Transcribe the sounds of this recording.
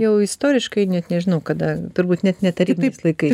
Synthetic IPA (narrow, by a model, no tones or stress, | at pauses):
jɛʊɪst̪oːɾʲɪʃkɐɪnʲɛt̪nʲɛʒʲɪnɐʊkɐd̪ɐt̪ʊɾbuːt̪nʲɛt̪nʲɛt̪ɐɾʲiːbʲslˠɐɪkɐɪ